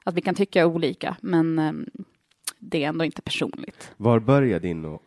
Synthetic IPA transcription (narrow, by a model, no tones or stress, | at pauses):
at̪vɪkant̪ʰʏkːaæɾuːliːka̰mɛn | d̪ɛːɾɛnd̪oːɪnt̪ə̥pʰæʂṵːnlɪɡt̪vaɾbœɾjad̪ɪnːoː